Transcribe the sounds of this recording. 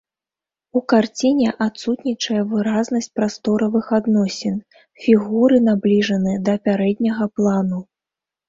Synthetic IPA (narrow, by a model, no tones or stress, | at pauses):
ukart͡sʲinʲɛʔat̪sut̪nʲit͡ʂɐjɐvɨɾaznɐsʲt͡sʲpɾast̪ɔɾɐvɨxad̪nɔsʲɛn | fʲiɣuɾɨnablʲiʐɐnɨd̪ɐpʲaɾɛd̪ʲnʲɐɣɐplˠanu